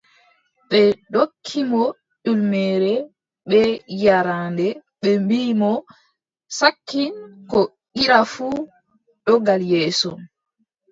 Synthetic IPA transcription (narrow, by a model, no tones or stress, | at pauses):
ɓɛɗokʰːimɔ | ɗulmɛːɾɛ | ɓɛjaɾandɛɓɛmbiːmɔ | sakːinkɔ | ɡiɾafu | ɗɔɡaljɛːsɔ